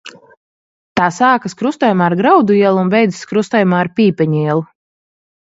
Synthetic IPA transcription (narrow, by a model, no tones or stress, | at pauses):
t̪aːsaːkaskɾust̪ɔjumaːɾɡɾawd̪uiɛlˠuunbɛjd̪zskɾust̪ajumaːɾpʲiːpɛɲiɛlˠu